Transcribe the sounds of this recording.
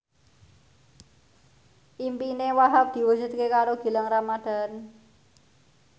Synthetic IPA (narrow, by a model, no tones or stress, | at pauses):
ʔimpinewaɦap̚d̪̥i̤wusʊt̪̚kekaɾoɡ̥i̤laŋramad̪̥a̤n